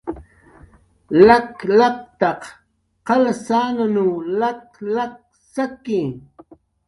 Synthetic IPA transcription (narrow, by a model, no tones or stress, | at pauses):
laklɑk̚t̪ɑq | qɑlasaːnanulaklak̚ | sakɪ